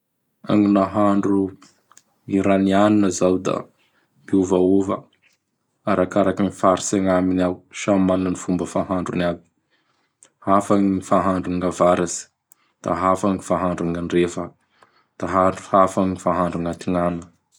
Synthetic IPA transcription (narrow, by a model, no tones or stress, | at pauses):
a̰ŋinaɦaɳɖ͡ʐu | iɾanianinəzawd̪a̰ | mbiuvauvə | aɾakaɾakinifaɾiseŋaminawʃamalənifumbəfaɦaɳɖ͡ʐunabi̥ | hafaŋifaɦaɳɖ͡ʐuŋavaɾazi̥ | d̪̥a̰ɦafaŋifaɦaɳɖ͡ʐuŋaɳrefə | d̪̥aɦaɳɖ͡ʐuhafaŋifaɦaɳɖ͡ʐuŋat̪iŋanə